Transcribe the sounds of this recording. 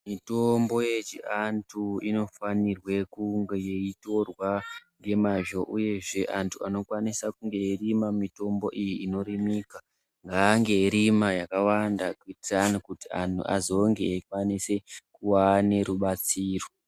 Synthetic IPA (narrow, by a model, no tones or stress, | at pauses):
mito̞mbo̞je̞t͡ʃḭantʰuino̞fanirwe̞kuŋɡjeito̞rwaŋɡe̞maʒo̞ʔuje̞ʐe̞ʔantʰuano̞kwanisakuŋɡe̞irimamito̞mbo̞ʔijiːno̞ɾimiːka | ŋɡaːŋɡe̞iɾimajakawandakuitiranokutia̰ntʰṵʔa̰zo̞ŋɡe̞̰kwanise̞kuwane̞ɾuɓat͡siːro̞